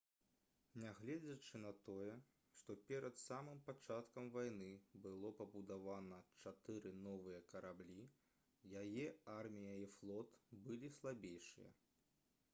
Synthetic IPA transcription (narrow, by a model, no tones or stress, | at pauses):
nʲaɣlʲɛd͡zʲɐt͡ʂɨnɐt̪ɔjɛ | ʂt̪ɔpʲɛɾɐt̪samɨmpat͡ʂat̪kɐmvajnɨbɨlˠɔpɐbud̪avanɐt͡ʂat̪ɨɾɨnɔvɨjɐkɐɾablʲi | jajɛarmʲijɐiflˠɔt̪bɨlʲislˠabʲejʂɨ̰jɐ̰